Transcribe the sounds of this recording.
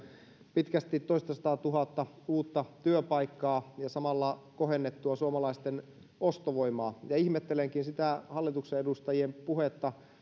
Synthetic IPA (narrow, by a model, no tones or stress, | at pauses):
pit̪kæst̪it̪ːoist̪ɑsɑ̥t̪ɑːt̪uɦɑt̪ːɑ | uːt̪ːɑt̪yøpɑikːɑːjɑsɑmɑlːɑkohenːet̪ːuɑsuɑmɑlɑist̪en | ost̪oʋo̞imɑːjɑihmet̪ːeleŋkinsit̪æhɑlːit̪ukseedust̪ɑjiempuhet̪ːɑ